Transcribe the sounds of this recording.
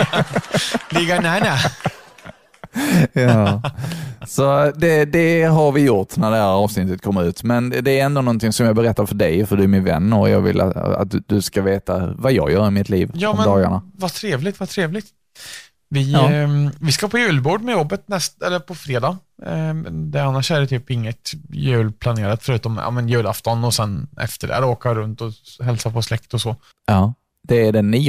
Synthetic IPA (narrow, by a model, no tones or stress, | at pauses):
lɪɡːaɳæːɳæ | jɑː | sɔd̪ɛd̪ɛɦaɾvɪjʊʈːnæɖɛhææɾɑːvsnɪt̪ːət̪̚kʰɔmːəɾʉ̟ːt̪mɛnd̪ɛːɾɛnd̪oːnɔnt̪ʰɪŋsɔmjɑɡbɛɾɛt̪ːaɾfœɖɛjfœɖɵæɾmɪnvɛ̰nːəjɑ̰ːɡvɪ̰lʔa̰a̰t̪̚d̪d̪ɵskaveːt̪avajɑ̰ːɡjœːɾaɪmɪt̪ʰliːvjɑːmɛd̪ɑːɡa̰ɳavat̪ʰɾeːvlɪɡt̪vat̪ʰɾeːvlɪɡt̪ | vɪ | vɪskapʰɔjʉ̟ːlbuːɖmɛjɔbːət̪̚nɛst̪ɛlːəɾpʰɔfɾeːd̪ɑː | d̪ɛanːaʂæɖɛt̪ʰyːpɪŋːət̪jʉ̟ːlpʰlaneːɾat̪fœɾʉ̟ːt̪ɔmɑ̰ːmɛnjʉ̟ːlaft̪ɔnɔsɛnɛ̰ft̪əɖɛ̰ːɾoːkaɾɵnt̪ɔɦɛlsapʰɔslɛkt̪ɔsɔ | ɑː | d̪̥ɛːɖɛnːiː